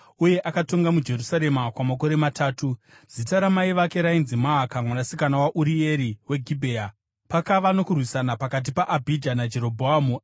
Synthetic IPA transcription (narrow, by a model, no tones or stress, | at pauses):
uje̞ʔakato̞ŋɡamud͡ʒe̞rusaɾe̞makwamako̞ɾe̞mataːtu | z̥itaɾamaiʋake̞ɾainzimaːkamwanasikanawaʔuɾie̞ɾiwe̞ɡʱibʱe̞ːja | pakaʋano̞kurwisanapakat̬ipaʔabʱid͡ʒanad͡ʒe̞ɾo̞bʱoamu